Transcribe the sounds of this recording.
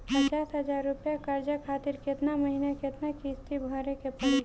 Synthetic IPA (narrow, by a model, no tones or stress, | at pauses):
pət͡ʃaːsɦəd͡ʒaːɾːʊpjakaːɾd͡ʒakʰaːt̪ɪɾkɪt̪naməɦinakɪt̪nakiːst̪ibʱɔːɾekepɐɽi